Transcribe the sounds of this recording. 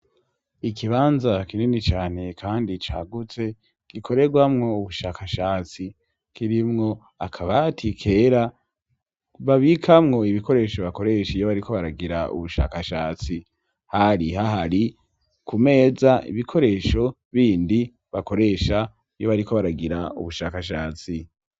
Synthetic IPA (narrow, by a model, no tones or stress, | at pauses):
ikʰiβaːnzakininit͡ʃaːne̞kʰaːndit͡ʃa̰ːɡut͡se̞ | ɡ̥ikʰo̞ɾe̞ɡwamŋo̞uβuʃaːkaʃaːt͡si | kiɾimŋo̞ | akʰaβatʰikʰe̞ɾa | βaβikʰamŋo̞iβiko̞ɾe̞ːʃo̞βako̞ɾe̞ʃijo̞βaɾikʰo̞βaɾaɡiɾaṵβuʃa̰ːkaʃaːt͡si | haɾiɦaɦaɾi | kume̞ːzaʔḭβikʰo̞ɾe̞ːʃo̞ | βiːndi | βako̞ɾe̞ʃa | jo̞βaɾikʰo̞βaɾaɡiɾaṵβuʃaːkaʃaːt͡si